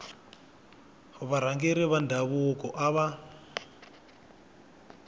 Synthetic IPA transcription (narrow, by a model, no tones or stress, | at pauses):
hɔβaɾ̤aŋɡɛɾiβandʱaβukʼɔʔaβa